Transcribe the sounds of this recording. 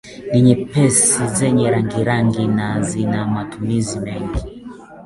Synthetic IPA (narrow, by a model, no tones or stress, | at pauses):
niɲɛpɛsizɛɲɛɾaŋɡiɾaŋɡinazinamatumizimɛŋɡi